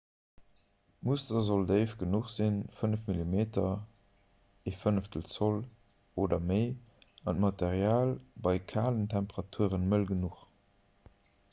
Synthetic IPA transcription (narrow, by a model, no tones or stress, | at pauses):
mustɐzoldəɪfɡ̥ənuχz̥infənəfmilimeːtɐ | efənəftəl̩t͡sol | oːdɐməɪɑntmɑtʰeʁjaːlbɑɪkʰaːləntʰæmpəʁɑtʰuəʁənməlɡənuχ